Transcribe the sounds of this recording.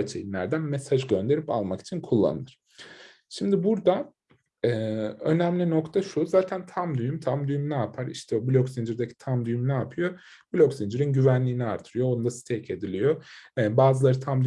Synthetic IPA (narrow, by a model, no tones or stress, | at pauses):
t͡ʃʰḛjinlʲæɾd̪ænmesaʒɟø̞nd̪e̞ɾipa̰lˠmaki̥t͡ʃʰinkʰulˠːa̰nɯnɯɾ̥ | ʃimd̪ibuɾd̪a | ɛːø̞̰næmlʲino̞kt̪ʰaʃuzaːt̪ʰænt̪ʰamd̪yjymt̪ʰamd̪yjymnaːpʰaɾḭʃt̪ʰɛobilʲoksind͡ʒɯɾd̪ecʰi̥t̪ʰamd̪yjymnaːpʰɯjo̞ | bilʲoksind͡ʒɯɾinɟyvænlʲiːniaɾt̪ʰɯɾɯjo̞onund̪asi̥t̪ʰɛcʰe̞d̪ilʲijoɛːbaːzɯlˠaɾɯt̪ʰamd̪